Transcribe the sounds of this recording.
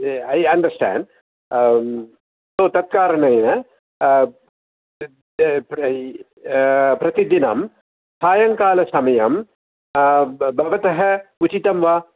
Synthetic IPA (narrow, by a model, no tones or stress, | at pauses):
ɐjɐnɖɐɾsʈæ̰ːɳɖ | soːt̪ɐt̪̚kaːɾɐɳɐjnɐ | pɾɐt̪id̪inɐ̰m | saːjɐŋkaːlɐsɐmɐjɐm | bʱɐʋɐt̪ɐɦɐut͡ʃit̪ɐmʋa